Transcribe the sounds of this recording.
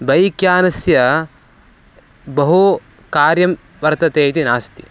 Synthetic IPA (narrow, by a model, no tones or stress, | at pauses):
bɐjkjaːnɐsjɐ | bɐɦu | kaːɾjɐm | ʋɐɾt̪ɐt̪eːt̪inaːst̪i̥